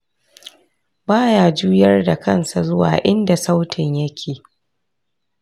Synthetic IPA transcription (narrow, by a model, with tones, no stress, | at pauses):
baː˦jaː˨d͡ʒuː˦jɐ˦rda˨kɐ˦˨nsa˨zʊ˦wa̰ː˨ʔɪ˦nda˨sa˦wtʰɪ˨ɲjɐ˦kʲʰeː˨